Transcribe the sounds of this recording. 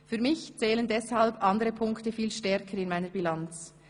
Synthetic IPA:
fyːmɪçt͡sɛːləndɛshalbʔɑndəʁəpʰʊŋktəfiːlʃtɛʁkʰəɾɪnmaɪnəbilant͡s

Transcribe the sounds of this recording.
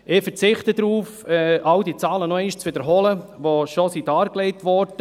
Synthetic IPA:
ɪːfəɾt͡sɪχt̪əd̪ɾuːfɛʔawdit͡sɑːlənɔɛʃt͡sʋɪd̪əɾɦɔləʋoʃɔsidɑːɾkleɪtʋɔːɾd̥ə

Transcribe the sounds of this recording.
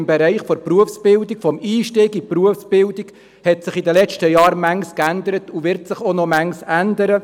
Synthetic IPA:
mbɛɾɛɪχfɔɾpruəfsb̥ɪldikfɔmiːʃtɪːɡipruəfsb̥ɪldik | hɛtsɪχidəlɛt͡ʃtəjɑːɾmæŋskænd̪əɾətuvɪɾtsɪχonɔmæŋsænd̪əɾə

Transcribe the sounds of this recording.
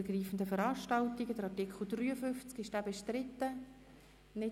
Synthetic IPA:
ɡriːfən̩d̪əfəɾɑːʃtɑltiɡəd̥əɾɑrtɪkʰl̩ˠd̪ryːəfʏft͡skɪʃd̥æːbɛʃtɾɪt̪ːə | nɪ

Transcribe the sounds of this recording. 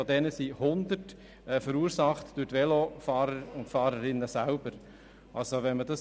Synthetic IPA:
ɔdɛnəsihʊnd̪ət | ɛːfəɾuːɾsɑχtd̥ʉɾtʋɛlofɑːɾəɾʊntfɑːɾəɾɪnːəsælb̥əɾ | ʔɑlsoʋɛnmədɑs

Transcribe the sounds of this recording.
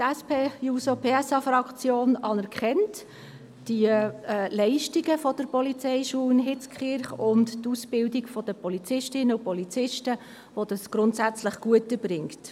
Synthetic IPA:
tɛspeːjusopʰeːɛsɑfɾɑkt͡sjoːnɑnɛɾkχɛnt | d̥iəlɛɪʃtiɡəfɔd̥əɾpɔlit͡sɛɪʃuːɪnɦɪt͡skʰχɪɾχʊnttusb̥ɪldiɡfɔd̥əpɔlit͡sɪʃtɪnəupɔlit͡sɪʃtə | ʋod̥̪ɑsɡ̥ɾʊntsæt͡sləχɡ̥uətːəb̥ɾɪŋkt

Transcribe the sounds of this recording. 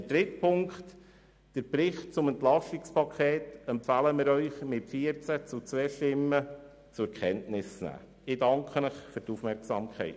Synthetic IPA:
ədɾɪtpʰʊŋkχt | d̥əɾpɾɪχtt͡sʊməntlɑstɪkspɑkʰχeːtɛmpfæləmɪɾœʏχmɪtfiəɾt͡sæt͡sʊt͡sʋɛːʃtɪmːə | t͡sʊkʰχɛntnɪsnæ̰ː | ɪdɑŋkχənəχføɾtufmɛrksɑmkʰɛ̰ɪt

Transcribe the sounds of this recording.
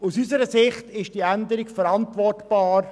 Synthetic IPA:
usysəɾəsɪχtɪʃd̥iːændəɾɪkfəɾɑntvɔrtb̥ɑːɾ

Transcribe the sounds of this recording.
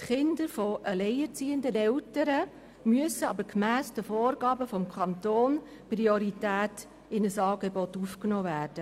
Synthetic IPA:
tχɪndəɾfɔʔəlɛɪət͡siːəndənɛltəɾə | myəsəɑ̰bəɾkmæːsd̥əfoːɾɡ̥ɑːbəfɔmkʰɑntoːn | pɾioɾitæːt | ɪnəsɑːɡebɔtufknoːvæːrd̥ə

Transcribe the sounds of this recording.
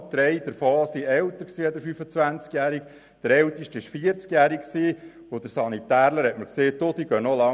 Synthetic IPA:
d̪̥ɾɛɪd̥̪əɾfɔːsiɛwt̪əɾksiːɛd̥̪əɾfyfət͡sʋænt͡skjæːɾik | d̪̥əɾɛlt̪iʃtɪʃfiəɾt͡skjæːɾiksiː | ʊd̪əɾsɑnit̪æːɾləɾhɛtməɾkseːtod̥̪iɡ̥œnɔlɑ

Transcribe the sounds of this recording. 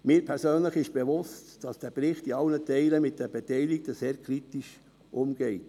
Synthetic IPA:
mɪːɾpʰɛɾsøːnləχɪʃb̥eʋʊstd̥ɑsd̥æpɾɪχtiɑlnətɛɪləmɪt̚d̥ɛb̥etɛɪlik̚təseːɾkʰɾitiʃ | ʔʊmɡ̥ɛɪt

